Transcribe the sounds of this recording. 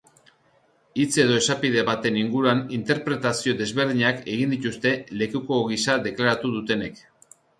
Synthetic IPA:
it͡se̞ðo̞e̞sapið̞e̞βat̪e̞niŋɡuɾuanint̪e̞ɾpɾe̞t̪asio̞ðe̞zβe̞ɾðiɲake̞ɣ̞ind̪it̪ust̪e̞le̞kuko̞ɣisaðe̞klaɾat̪uðut̪e̞ne̞k

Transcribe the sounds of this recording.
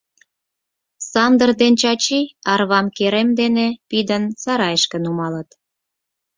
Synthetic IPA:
sɑnd̪ərd̪ent͡ɕɑt͡ɕiɑrβɑmkeɾemd̪enepid̪ənsɑɾɑjəʃkə̆numɑlət̪

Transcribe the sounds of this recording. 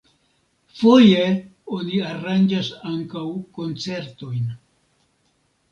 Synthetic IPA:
fo̞je | oniaɾand͡ʒasaŋkawko̞nt͡se̞ɾto̞jn

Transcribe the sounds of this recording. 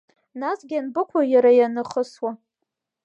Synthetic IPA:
nasɡʲanbɨkʷʰajaɾajanɨχəswa

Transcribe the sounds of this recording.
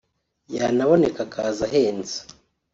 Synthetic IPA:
janaβo̞ne̞kakʰaːzaɦeːnzḁ

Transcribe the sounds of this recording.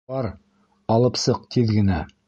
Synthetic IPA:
ɑɾ | ɑlˠɤ̆psɤq̚t̪ʰiðɡɘ̆næ

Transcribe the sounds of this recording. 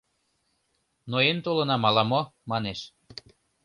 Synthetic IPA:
noent̪olɤ̆nɑmɑlɑmomɑneʃ

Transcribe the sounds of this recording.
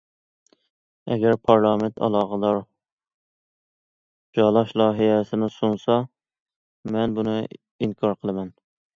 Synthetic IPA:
ɛ̰ɡʲɛɾpʰɑɾlˠɑːmɪnt̪ʰɑ̰lˠɑːʁəd̪ɑɾ | d͡ʒɑlˠɑʃlˠɑːɦijɛsɪnɪsunsɑ | mɛnbunɨ | iŋkʰɑɾqʰəlˠɨmɛn

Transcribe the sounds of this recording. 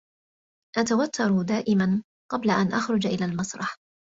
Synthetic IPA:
ʔat̪awat̪ʰːɑɾˤd̪aːʔɪman | qɑblaʔanʔaxɾˤʊd͡ʒʔɪlaːlmɑsˤɾˤɑħ

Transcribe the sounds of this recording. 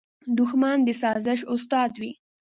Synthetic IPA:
d̪ʊxmand̪əsɑzɪʃʊst̪ɑd̪wi

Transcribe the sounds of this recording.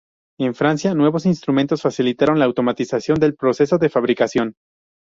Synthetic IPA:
e̞ɱfɾansjanwe̞βo̞sinst̪ɾument̪o̞sfasilit̪aɾo̞nlaːwt̪o̞mat̪isasjo̞nd̪elpɾo̞se̞soðe̞faβ̞ɾikasjo̞n

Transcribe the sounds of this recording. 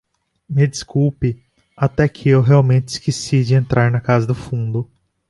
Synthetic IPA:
mɪd͡ʒiskupɪ | at̪ɛkʰɪewɦeawmẽnt͡ʃɪiskesid͡ʒɪẽnt̪ɾaɾnɐkazɐd̪ʊfũnd̪ʊ

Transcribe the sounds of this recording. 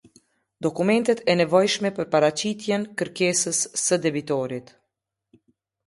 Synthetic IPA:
d̪ɔkumɛnt̪ɛt̪ʰɛnɛvɔjʃmɛpəɾpaɾat͡ɕit̪jɛnkəɾkɛsəsːəd̪ɛbit̪ɔɾit̪

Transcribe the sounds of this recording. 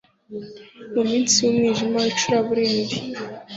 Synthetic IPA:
umiːnsiwumŋiʒimait͡ʃuɾaβuɾeːndi

